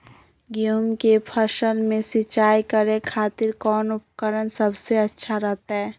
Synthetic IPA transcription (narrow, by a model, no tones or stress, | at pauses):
ɡɪjuːmkepʰəʃəlmẽsɪt͡ʃaːikəɾẽkʰaːt̪ɪɾkɔːnʊp̚kəɾənsəbseɐtːʃʰaɾɛɦt̪aɦɛː